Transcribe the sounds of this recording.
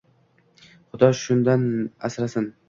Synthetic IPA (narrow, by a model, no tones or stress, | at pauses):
χʊd̪ɒʃʊnd̪ana̰sɾasɪn